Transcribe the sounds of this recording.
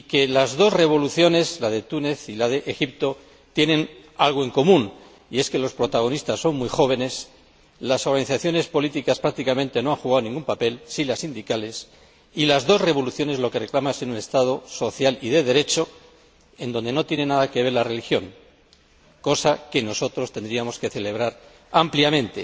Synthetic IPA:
ike̞lazðo̞sre̞β̞o̞luθjo̞ne̞zlað̞e̞t̪une̞θilað̞e̞ʔexip̚t̪o̞ | t̪je̞nẽ̞nalɣ̞oe̞ŋko̞mũn | ie̞ske̞lo̞spɾo̞t̪aɣ̞o̞nist̪asːo̞ŋmujxo̞β̞e̞ne̞s | laso̞ɾɣaniθaθjo̞ne̞spo̞lit̪ikaspɾak̚t̪ikamẽnt̪e̞no̞aŋxuɣ̞awnĩŋɡumpape̞lsilasind̪ikale̞s | ilazðo̞sre̞βo̞luθjo̞ne̞zlo̞ke̞re̞klamasiunest̪að̞o̞so̞θjaliðe̞ðe̞ɾe̞t͡ʃo̞ | e̞nd̪o̞ne̞no̞t̪je̞ne̞nað̞ake̞βe̞ɾlare̞lixjo̞ŋ | ko̞sake̞no̞so̞t̪ɾo̞st̪e̞nd̪ɾiamo̞ske̞θe̞le̞β̞ɾaɾ | ampljamẽ̞nt̪e̞

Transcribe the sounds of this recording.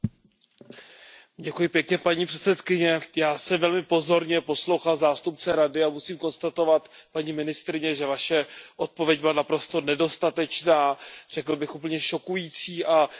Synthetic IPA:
ɟɛkujɪpjɛkɲɛpaɲiːpr̥ɛt̪t͡sɛt̪kɪɲɛjaːsɛmvɛlmɪpo̞zo̞ɾɲɛpo̞slo̞wxalzaːst̪upt͡sɛɾadɪamusiːmko̞nst̪at̪o̞vat̪paɲiːmɪnɪst̪ɾɪɲɛʒɛvaʃɛʔo̞t̪̚po̞vjɛɟ̚bɪlanapɾo̞st̪o̞nɛdo̞st̪at̪ɛt͡ʃnaːr̝̥ɛkl̩bɪxʔup̬l̩ɲɛʃo̞kujiːt͡siːʔa

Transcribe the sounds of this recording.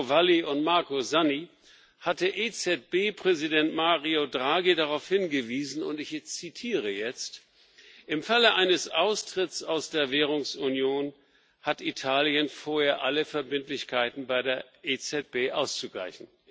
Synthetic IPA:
valiʊntmaɐkozani | hat̚d̥eːɐʔet͡sɛt̚b̥eːpʁ̥ɛzidɛntmaːʁiodʁaːɡidaʁaʊfhɪnɡəviːzn̩ʊ̰ntɪçt͡sitʰiːʁ̞əjɛt͡st | ʔɪmfaləʔaɪnəsʔaʊstʁ̥ɪtt͡saʊsd̥eːɐveːʁʊŋsunjoːn | hatitʰaːljənfoːɐheːɐʔaləfɛɐbɪntlɪçkʰaɪtn̩baɪdeːɐʔet͡sɛt̚b̥eːʔaʊst͡suɡla̰ɪçn̩

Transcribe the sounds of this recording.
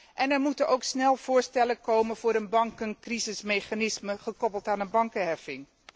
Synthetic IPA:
ʔɛnɛɹmutənowksnɛlˠv̥ʊːɹstɛləkowmənv̥ʊːɾənbɑŋkənkrizɪsmejχaːnɪsməχəkɔpəlˠtaːnənbɑŋkəɦɛfɪŋ

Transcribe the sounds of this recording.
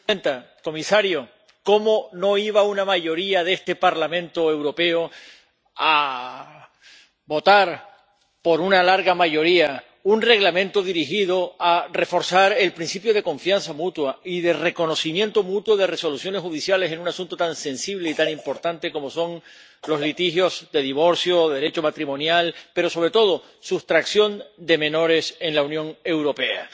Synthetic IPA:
ent̪a | ko̞misaɾjo̞ | ko̞mo̞no̞iβ̞aunamaʝo̞ɾiaðe̞st̪e̞paɾlamẽnt̪oe̞wɾo̞pe̞o | a | bo̞t̪aɾ | po̞ɾunalaɾɣamaʝo̞ɾia | unre̞ɣlamẽ̞nt̪oðiɾiɦiðo̞are̞fo̞ɾsaɾe̞lpɾinsipjo̞ð̞e̞ko̞ɱfjansamut̪waiðe̞re̞ko̞no̞simjẽ̞nt̪omut̪woðe̞re̞so̞lusjo̞neshuðisjalese̞nũnasũnt̪ot̪anse̞nsiβle̞it̪anĩmpo̞ɾt̪ant̪e̞ko̞mo̞so̞ŋ | lo̞zlit̪ixjo̞zðe̞ðiβ̞o̞ɾsjo̞ðeɾe̞t͡ʃo̞mat̪ɾimõ̞njalpe̞ɾo̞so̞β̞ɾe̞t̪o̞ð̞o̞ | sust̪ɾaksjo̞nd̪e̞mẽ̞no̞ɾe̞se̞nlaunjõ̞ŋe̞wɾo̞pe̞a̰

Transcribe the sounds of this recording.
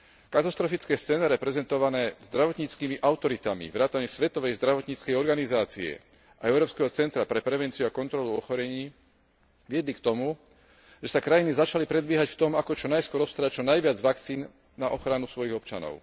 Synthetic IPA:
kat̪ast̪ɾɔfit͡skɛːst͡sɛːnɛɾɛpɾɛzɛnt̪ɔʋanɛːzd̪ɾaʋɔt̪ɲiːt͡skiːmiʔaʊt̪ɔɾit̪amḭʋɾaːt̪aɲɛsʋɛt̪ɔʋɛjzd̪ɾaʋɔt̪ɲiːt͡skɛjɔɾɡanizaːt͡siɛ̰ | ʔaɛʊɾɔːpskɛɦɔt͡sɛnt̪ɾapɾɛpɾɛʋɛnt͡siuakɔnt̪ɾɔluɔxɔɾɛɲiː | ʋɪɛd̪likt̪ɔmu | ʒɛsakɾajinizat͡ʃalipɾɛd̪bɪɛɦacft̪ɔmakɔt͡ʃɔnajskwɔɾɔpst̪aɾat͡ʃɔnajʋɪad͡zʋakt͡siːn | naʔɔxɾanusʋɔjiɣɔpt͡ʃa̰nɔ̰ʊ

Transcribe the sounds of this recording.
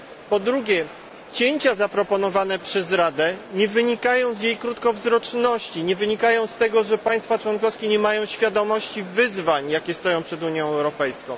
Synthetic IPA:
pɔd̪ɾuɡʲɛ | t͡ɕeɲt͡ɕazapɾɔpɔnɔvanɛpʂɛzɾad̪ɛɲɛvɘɲikajɔ̃w̃zjejkɾut̪kɔvzɾɔt͡ʂnɔɕt͡ɕiɲɛvɘɲikajɔ̃w̃st̪ɛɡɔʐɛpaj̃st̪fat͡ʂwɔnkɔskʲɛɲɛmajɔ̃w̃ɕfʲjad̪ɔmɔɕt͡ɕivɘzvaɲjakʲɛst̪ɔjɔ̃w̃pʂɛd̪uɲjɔ̃w̃ɛwɾɔpɛjskɔ̃w̃

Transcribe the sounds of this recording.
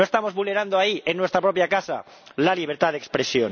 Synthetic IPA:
oest̪amo̞zβulne̞ɾand̪oaienːwet̪ɾapɾo̞pjakasa̰ | laliβ̞eɾt̪aðekspɾe̞sjon

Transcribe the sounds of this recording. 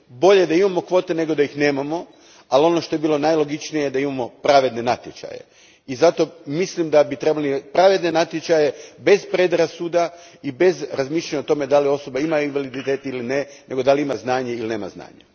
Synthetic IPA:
bo̞ʎejed̪aimamo̞kʋo̞ːt̪e̞ne̞ɡo̞d̪ajixneːmamo̞ | alio̞no̞ʃt̪o̞jebiːlˠo̞najlo̞ɡit͡ʃnijejed̪aimamo̞pɾaʋe̞d̪ne̞nat̪ʲjet͡ʃa̰jḛ | izat̪o̞mislimd̪abit̪ɾebalipɾaʋe̞d̪ne̞nat̪jet͡ʃaje̞be̞zpɾed̪ɾasuːd̪aibe̞zɾazmiːʃlʎaɲaot̪o̞me̞d̪alio̞so̞baimajuinʋalid̪it̪eːt̪ilinenʔe̞ɡo̞d̪aliimaznaːɲeiline̞ːma̰zna̰ːɲa

